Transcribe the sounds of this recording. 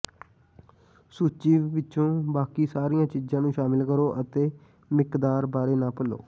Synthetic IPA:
suːt͡ʃiːʋʋɪt͡ʃõːbaːkiːsaːɾijãːt͡ʃiːd͡ʒãːnũːʃaːmɪlkəɾoːʔət̪eː | mɪkd̪aːɾbaːɾeːnãːpəlo̰ː

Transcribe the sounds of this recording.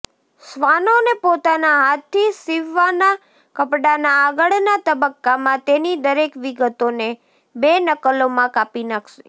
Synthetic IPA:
sʋanonepot̪anaɦat̪ʰːisiʋːana | kəpɽanaːɡəɭnat̪əbəkːamãt̪enid̪əɾekʋiɡət̪one | benəkəlomãkapinakʰʃe̥̰

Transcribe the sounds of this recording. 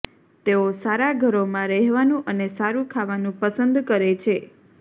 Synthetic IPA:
t̪eosaɾaɡʱəɾomãɾɛɦʋanũʔənesaɾũkʰaʋanũpəsənd̪kəɾet͡ʃʰe

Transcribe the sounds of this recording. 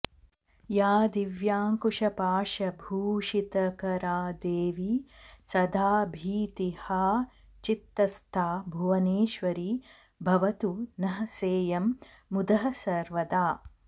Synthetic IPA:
jaːd̪iʋjaːŋkuʂɐpaːʃɐbʱuːʃit̪ɐkɐɾaːd̪eːʋisɐd̪ʱaːbʱiːt̪ihɐ | t͡ʃit̪ːɐst̪ʰaːbʱuʋɐneːʃʋɐɾiː | bʱɐʋɐt̪unɐɦɐseːjɐmː | ud̪ɐɦɐsɐɾʋɐd̪aː

